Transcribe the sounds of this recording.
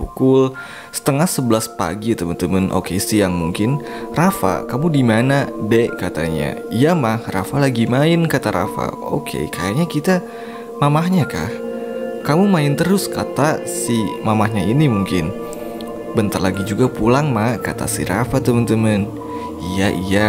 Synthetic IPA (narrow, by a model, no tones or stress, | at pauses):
pukʊl | sə̥t̪əŋahsəbəlaspa̰ɡit̪əmənt̪əmənʔo̰kesijaŋmuŋkɪnrafa̰kamudimanadɛkat̪a̰ɲa̰ijamahrafalaɡimaɪnkat̪aɾa̰fa̰o̰kʰḛkʰajaɲakit̪a | mamaɦɲaka̰hkamumaɪnt̪əɾʊskat̪asimamahɲainimuŋkɪn | bənt̪arlaɡid͡ʒuɡapulaŋmaka̰t̪a̰sḭɾa̰fat̪əmənt̪əmən | ijaʔija